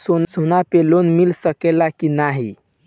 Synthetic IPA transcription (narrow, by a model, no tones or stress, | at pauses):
sonsonapelonmilsəkelakinaɦi